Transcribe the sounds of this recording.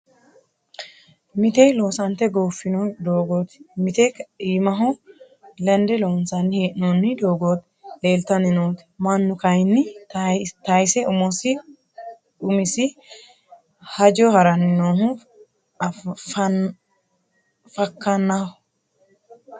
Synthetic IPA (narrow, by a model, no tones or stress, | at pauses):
mɪt̪ɛjloːsɐnt̪ːɛɡoːfːɪnɔd̪oːɡoːt̪mɪt̪ɛkiːmɐɦʊ | lɐnd̪ɛloːnsɐnːɪheːʔnoːnːɪd̪o̞ːɡoːt̪ | le̞ːlt̪ɐnɪnoːt̪mɐnːʊkɐjnːɪ | t̪ɐjsɛʊmɔsɪ | ʊmɪsɪ | hɐd͡ʒɔhɐɾɐnɪnoːɦʊ | fɐkːɐnːɐɔ